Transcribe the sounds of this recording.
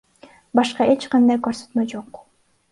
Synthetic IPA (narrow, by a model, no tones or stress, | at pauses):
bɑʃqɑet͡ʃqɑnd̪ɑjkɵɾsø̥t̪mød͡ʒoq